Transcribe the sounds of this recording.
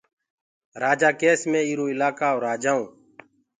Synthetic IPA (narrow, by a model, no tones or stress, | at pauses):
ɾaːd͡ʒaːkeːsmẽːiːɾoːɪlaːkaːoːɾaːd͡ʒaːũː